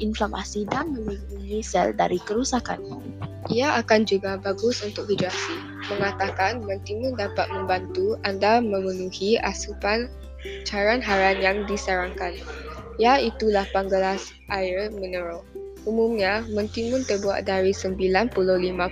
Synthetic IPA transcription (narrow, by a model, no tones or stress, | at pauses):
ʔinflama̰sidanmə̃mimpuŋisɛ̰lda̰ɾikəɾusaka̰n | ʔiaʔakand͡ʒuɡabaɡʊsunt̪ʊk̚fidɾasi | mə̃ŋat̪akanmə̃nt̪imʊ̃ndapat̪̚mə̃mbant̪uandamə̃mənuhia̰supan | t͡ʃaɾanɦaɾanjaŋdisaɾaŋkan | jait̪ulahpaŋɡəlas | ʔajərmənəɾo | umumɲamə̃nt̪imʊ̃nt̪ərbua̰ʔ̪̚daɾisəmbilanpulolimã